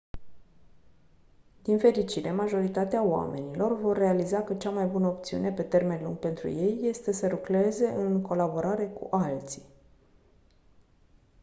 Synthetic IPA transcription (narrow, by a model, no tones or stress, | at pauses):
d̪infe̞ɾit͡ʃiɾe̞maʒo̞ɾit̪at̪eaoa̰me̞nilo̞rvo̞rːe̞alizakət͡ʃamajbunəop̚t̪siṵne̞pe̞t̪e̞rme̞nlṵŋɡ̚pe̞nt̪ɾṵje̞jːe̞st̪e̞səɾukle̞ze̞ʔɨŋko̞labo̞ɾaɾe̞kṵʔalt̪si̥